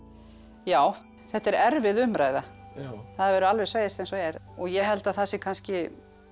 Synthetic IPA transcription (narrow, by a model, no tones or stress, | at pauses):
jaːw | θɛht̪ɛɾɛɾvɪðʏmɾaːjða | θaðaɾvɛɾʏalvɛɾ̥sveːjɪst̪ɛjnsɔɛɾɔɣjɛɦɛlt̪aðθasɪkʰanscɪ